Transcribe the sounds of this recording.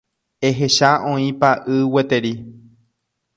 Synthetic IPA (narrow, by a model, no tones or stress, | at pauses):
eɦe̞ʃaʔõĩpaʔɨwet̪e̞ɾi